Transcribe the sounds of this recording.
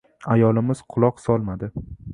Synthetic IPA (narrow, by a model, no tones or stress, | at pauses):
ajɒlɪmɪz̥qʰʊlˠɒqsɒlˠmad̪ɪ